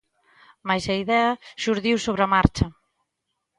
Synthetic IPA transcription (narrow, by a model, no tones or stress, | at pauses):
majsɐiðɛɐʃuɾðiwsoβɾɐmaɾt͡ʃɐ